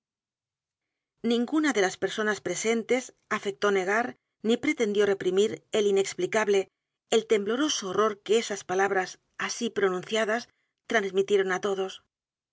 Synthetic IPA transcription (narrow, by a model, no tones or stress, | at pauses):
nĩŋɡunaðe̞laspe̞ɾso̞naspɾe̞se̞nt̪e̞s | afe̞k̚t̪o̞ne̞ɣaɾ | nipɾe̞t̪e̞nd̪jo̞re̞pɾimiɾeline̞ksplikaβle̞ː | lt̪e̞mblo̞ɾo̞soːro̞ɾkeesaspalaβɾas | asipɾo̞nũnθjað̞as | t̪ɾanzmit̪je̞ɾo̞nat̪o̞ð̞o̞s